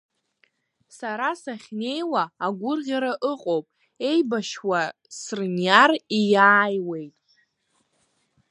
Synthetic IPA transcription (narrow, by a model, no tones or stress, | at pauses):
saɾasaχʲne̞jwaːɡʷʊrʁʲaɾaʔɨqʼowpʼ | e̞jbaʃwa | srnjarijaːjwe̞jtʼ